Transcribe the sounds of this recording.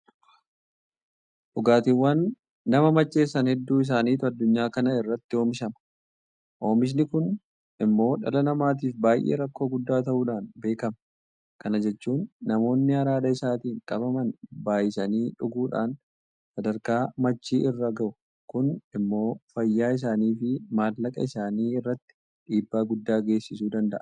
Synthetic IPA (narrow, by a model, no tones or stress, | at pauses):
ᶑʊɡaːt̪ɪwːɐnː | ɐmɐmɐt͡ʃːe̞ːsːɐnhɛd̪ːuːɪs̬aːniːt̪ɐd̪ːʊɲːaːkɐnɐɪrːɐt̪ːɪo̞ːmɪʃɐmɐ̥ | ʔo̞ːmɪs̬nɪkʊn | ɪmːo̞ːᶑɐ̰lɐnɐmaːt̪̬iːfbaːjʔḛːɾɐkːo̞ːɡʊd̪ːaːt̪ɐʔuːᶑaːnbe̞ːkɐm | kɐnɐd͡ʒɛt͡ʃːuːnːɐmo̞ːnːɪɐɾaːᶑɐɪsaːt̪iːŋkʼɐbɐmɐnbaːjɪsɐniːᶑʊɡuːᶑa̰ːn | sɐd̪ɐɾkaːmɐt͡ʃːiːʔɪrːɐɡɐʔʊ | kʊnɪmːo̞ːfɐjːaːɪs̬aːniːfɪmaːllɐkʼɐ̰ɪsaːniːɪrːɐt̪ːɪ̥ | ᶑiːbːaːɡʊd̪ːaːɡe̞ːsːɪsuːd̪ɐnd̪ɐʔɐ